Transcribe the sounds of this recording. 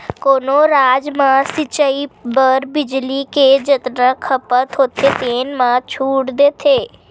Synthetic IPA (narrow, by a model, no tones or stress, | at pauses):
koːnoːɾaːd͡ʒmãsɪt͡ʃəibəɾbɪd͡ʒliked͡ʒət̪nãkʰəpət̪ɦoːt̪ʰet̪eːnmãːt͡ʃʰuːʈd̪eːt̪ʰeː